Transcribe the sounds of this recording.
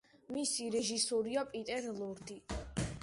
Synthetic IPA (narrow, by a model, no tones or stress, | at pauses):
misiɾɛʒisɔɾiapʼit̪ʼɛɾlˠɔɾd̪i